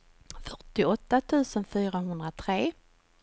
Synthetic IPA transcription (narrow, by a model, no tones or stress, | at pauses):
fœʈːɪɔt̪ːat̪ʰʉ̟ːsənfyːɾaɦɵnd̪ɾat̪ʰɾeː